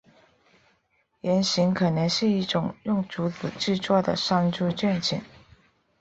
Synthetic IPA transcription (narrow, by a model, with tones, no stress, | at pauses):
jɛ˧˥nɕi˧˥ŋkʰɤ˨˩nɤ˧˥ŋʂɻ̩˥˧i˥˩ʈ͡ʂʊ˨˩ŋjʊ˥˩ŋʈ͡ʂu˧˥t͡sɹ̩˨˩ʈ͡ʂɻ̩˥˧t͡swɔ˥˩d̪ə̰˩ʂɑ˥˧ŋʈ͡ʂu˥˧t͡ɕɥɛ˥˩nt͡ɕʰḭ˨˩˦ŋ